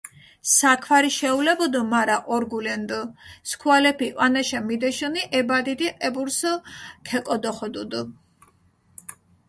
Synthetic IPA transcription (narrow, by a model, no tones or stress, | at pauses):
sakʰwaɾiʃɛulɛbɔd̪ɔmaɾaʔɔɾɡulɛnd̪əskʰwalɛpʰiʔanaʃamid̪ɛʃuniʔɛbad̪id̪iʔʼɛbuɾsəkʰɛkʼɔd̪ɔχɔd̪ud̪u